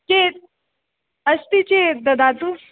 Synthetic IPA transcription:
ket̪̚ | əst̪it͡ɕed̪əd̪ʱat̪u

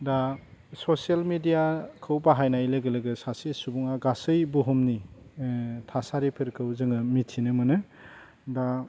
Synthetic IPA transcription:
dasosalmidijakʰɯwbaɦajnajlɯɡɯlɯɡɯsasisubuŋaɡasɯjbuɦumni | tʰasaɾipʰɯɾkʰɯwzɯŋɯmitʰinɯmɯnɯ | da

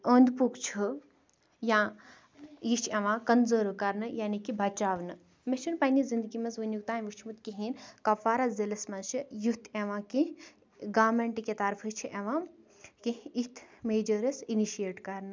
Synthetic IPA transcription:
oːnd̪pukt͡ʃʰu | jãː | jit͡ʃʰeʋãːkɐnzəːɾkɐɾnɨjaːnikibʱɐt͡ʃaːʋnɨ | meʃʰunpɐnizind̪ɨɡimɐsʋunjuk̚t̪aːnʲʋut͡ʃʰmut̪kiɦinkɐfaːɾazelɐsmɐnʃijut̪ʰeʋãːki | ɡaːmeɳʈiket̪ɐɾpʰɨt͡ʃʰiʔeʋãː | kiit̪ʰmeːd͡ʒəɾɐsiniʃieːʈkɐɾnɨ

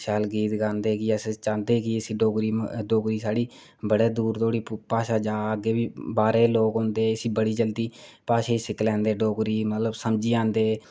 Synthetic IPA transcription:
ʃaːlɡiːt̪ɡãːnd̪eːkiəst͡ʃãːnd̪eːkiɪsiːɖoːɡɾiːɖoːɡɾiːsaːɽiː | bəɽeːd̪uːɾt̪oːɽiːpaːʃaːd͡ʒaːəɡeːbiːbaːɾeːloːkɦõːnd̪eːɪsiːbəɽiːd͡ʒəld̪iːpaːʃaːiːsɪklɛ̃ːnd̪eːɖoːɡɾiːmət̪ləbsəmd͡ʒiːãːnd̪eː

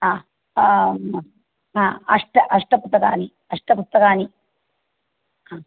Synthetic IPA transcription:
aː | aːɐʂʈɐʔɐʂʈɐpust̪ːɐkaːni | ɐʂʈɐpust̪ɐkaːni | aː

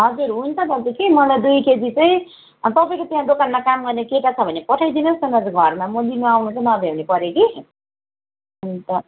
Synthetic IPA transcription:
ɦʌd͡zuɾɦunt͡sʰʌt̪ʌd͡zukimʌlajd̪ujked̪it͡sʌĩ | t̪ʌpaĩkot̪ejãd̪okaɾmakamɡʌrnekeʈat͡sʰʌbʱʌnːepʌʈʰajd̪inʌst̪ʌnʌd͡zɡʱʌrmamʌlinuawnũt͡sʌnʌb̪ʱewnepʌɾjeɡi | unt̪ʌ

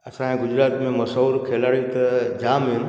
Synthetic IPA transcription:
ɐsãɡʊd͡ʑɾaːt̪mẽmɐsoːɾkʰeːlaːɽĩt̪ɐd͡ʑaːmɦɪn̆

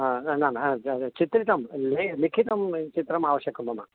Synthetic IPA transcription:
nanat͡ʃit̪ɾit̪ɐmlelikʰit̪ɐmt͡ʃit̪ɾɐmaːʋɐʃjɐkʰɐmbɐma

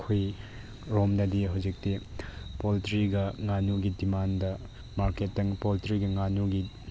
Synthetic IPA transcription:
kʰoj | ɾomdɐdiɦawd͡ʒik̚tipoltɾiɡɐŋanuɡidimandɐ | maɾketːɐŋpoltɾiɡɐŋanuɡi

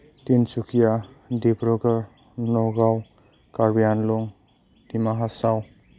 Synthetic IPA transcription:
tint͡ʃukʰija | debɾɔɡəɾ | nɔɡaw | kaɾbijanlɔŋ | dimaɦasaw

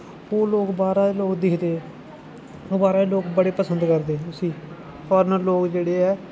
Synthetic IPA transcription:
oːloːkbaːɾaːeloːkd̪ɪkʰd̪eː | oːbaːɾaːeloːkbəɽeːpəsənd̪kəɾd̪eːʊsĩː | pʰɔːɾnəloːkd͡ʒeːɽeːɛː

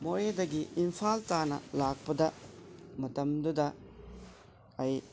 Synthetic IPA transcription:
mojedɐɡiʔimpʰaltanɐ̰lak̚pɐdɐmɐtɐmdudɐ | ɐj

